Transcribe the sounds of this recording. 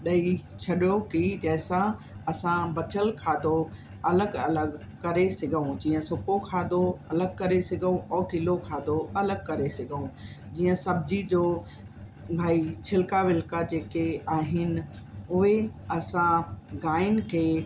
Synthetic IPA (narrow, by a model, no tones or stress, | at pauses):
ɗɐit͡ɕʰɐɗjokid͡ʑɛːsã | ɐsãbɐt͡ɕəlkʰaːd̪ʱo | ɐləɡɐləɡ | kɐɾesɪɡʱəũd͡ʑiːə̃sʊkokʰaːd̪ʱoɐləɡkɐɾesɪɡʱũʔɔːkɪlokʰaːd̪ʱoɐləɡkɐɾesɪɡʱəũ | d͡ʑiːə̃sɐbɪd͡ʑid͡ʑoː | bʱaːit͡ɕʰɪlkaʋɪlkad͡ʑeːkeaːɦɪnɪ̆ | ʊɦeɐsãɡaːɪnkʰeː